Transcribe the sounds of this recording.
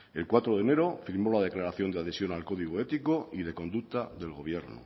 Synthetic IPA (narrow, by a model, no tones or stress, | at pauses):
e̞lkwat̪ɾoðe̞ne̞ɾo̞fiɾmo̞lað̞e̞klaɾaθjo̞nd̪eaðe̞sjo̞nalko̞ðiɣ̞oe̞t̪iko̞iðe̞ko̞nd̪ukt̪aðe̞lɣo̞β̞je̞ɾno̰